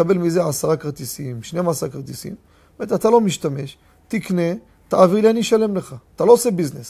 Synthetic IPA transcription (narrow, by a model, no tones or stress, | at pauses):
abe̞lmizeasaʁakʁt̪isimʃnemasakʁt̪isḭm | met̪at̪alo̞miʃt̪ame̞ʃ | t̪ikne̞ | t̪aːviʁlianiʃale̞mleχaːt̪alo̞ose̞biznes